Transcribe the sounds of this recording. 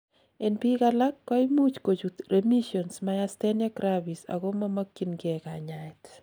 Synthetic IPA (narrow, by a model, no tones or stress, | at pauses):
enpikalakːɔimut͡ʃkot͡ʃut̪ɾemiʃjɔnsmajastenjakɾabisa̰ɡomamakːinɡɛkaɲaɪt̪